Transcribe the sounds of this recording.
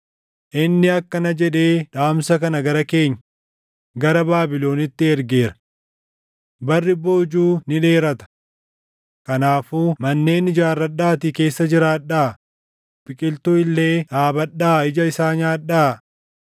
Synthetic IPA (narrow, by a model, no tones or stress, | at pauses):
ʔɪnːɪɐkːɐnɐd͡ʒɛᶑe̞ːᶑaːmsɐkɐnɐɡɐɾɐke̞ːɲːɐ | ɡɐɾɐbaːbɪlo̞ːnɪt̪ːɪɛɾɡe̞ːɾɐ̥ | bɐrːɪboːd͡ʒuːnɪᶑe̞ːɾɐt̪ɐ̥ | kɐnaːfuːmɐnːe̞ːnɪd͡ʒaːrːɐɗaːt̪ɪke̞ːsːɐd͡ʒɪɾaːᶑaː | b̥ɪkʼɪlt̪ʊɪlːe̞ːᶑaːbɐɗːaːɪd͡ʒɐɪsaːɲaːᶑaː